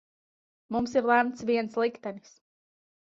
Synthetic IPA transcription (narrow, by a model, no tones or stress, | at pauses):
mumsiɾlˠæmt̪sviɛnslˠikt̪ɛnis